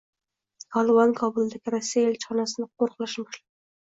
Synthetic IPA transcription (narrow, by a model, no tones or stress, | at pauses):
kʰɒlˠɨvɑnkʰɒbʊlˠd̪aɡʲɪɾasːijaelt͡ʃʰχɒnasɪnɪq̚ʰoɾqlˠaʃmɑʃlɪ